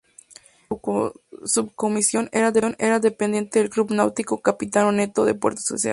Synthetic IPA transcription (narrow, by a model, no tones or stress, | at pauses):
sub̚ko̞misjo̞neɾaðeone̞ɾaðe̞pend̪je̞nt̪eðelklupnawt̪iko̞kapit̪anone̞t̪o̞ðep̬weɾt̪o̥so̰sja̰l